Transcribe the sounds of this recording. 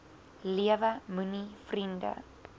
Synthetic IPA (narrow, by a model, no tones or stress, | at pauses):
liəvəmunifrində̰